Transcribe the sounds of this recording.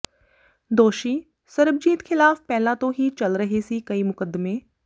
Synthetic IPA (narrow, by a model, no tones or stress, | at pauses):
d̪oːʃiː | səɾəb̚d͡ʒiːt̪kʰɪlaːfpɛːlãːt̪õɦiːt͡ʃəlɾəɦesiːkəiːmʊkəd̪mẽː